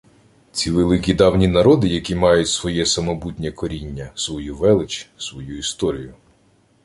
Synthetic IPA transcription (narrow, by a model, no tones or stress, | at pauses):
t͡sʲiʋelˠɪkʲid̪ɑwnʲinɐɾɔd̪ɪjɐkʲimɑjʊtʲsʋɔjɛsɐmɔbutʲnʲɛkɔɾʲinʲːɐsʋɔjuʋɛlˠɪt͡ʃsʋɔjuist̪ɔɾʲijʊ